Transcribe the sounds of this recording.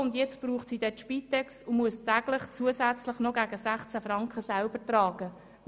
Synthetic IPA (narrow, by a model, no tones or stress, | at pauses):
ʊnd̪jɛt͡sb̥ɾuːχtsiːd̥̪ɛt̪ʃpiːt̪ːɛksʊmuəstæɡ̥lɪχt͡suəsæt͡sləχnɔɡæɡ̥əsæχt͡sæfɾɑŋkχəsælb̥ətrɑːɡ̥ə